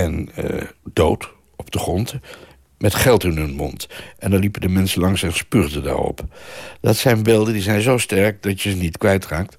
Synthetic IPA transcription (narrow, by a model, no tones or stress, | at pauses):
ɛn | dowt | ɔb̚d̥əχrɔnt | mɛtχɛlˠtɪnɵnmɔntʔɛndɑnlipədəmɛnsəlɑŋsɛnspyrdəda̰ːɹɔ̰pd̥ɑtsɛjnbeːlˠdəndizɛjnzowstɛɹk̚dɑtjəzənitkʋɛjtraːk̚t